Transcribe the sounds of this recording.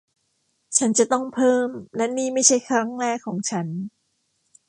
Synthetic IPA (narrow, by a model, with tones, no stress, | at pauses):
t͡ɕʰa˦˥nt͡ɕa˨˩t̪ɔ˥˩ŋpʰɤː˥˩mlɛ˦˥niː˥˩ma˥˩jt͡ɕʰa˥˩jkʰɾa˦˥ŋɾɛː˥˩kʰːɔː˩˦ŋt͡ɕʰa˦˥n